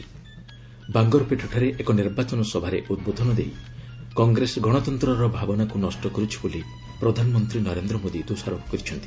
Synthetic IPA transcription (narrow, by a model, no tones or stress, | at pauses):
baŋɡɔɾpeʈʰuʈʰaɾeʔekɔniɾbat͡ʃɔnɔsɔbʱaɾeʔud̪̚bod̪ʱɔnɔd̪ḛjkɔŋɡɾesɡɔɽ̃ɔt̪ɔnt̪ɾɔɾɔbʱabɔnakunɔsʈɔkɔɾut͡ʃʰi̥boli | pɾɔd̪ʱanɔmɔnt̪ɾinɔɾend̪ɾɔmod̪id̪osaɾɔkɔ̥kɔɾit͡ʃʰɔnt̪ʰi̥